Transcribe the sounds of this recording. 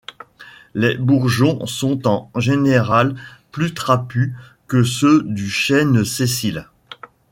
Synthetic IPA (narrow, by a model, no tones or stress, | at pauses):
lebuʁʒɔ̃sɔ̃t̪ɑ̃ʒeneʁalplyt̪χapykəsød̪yʃɛnsesil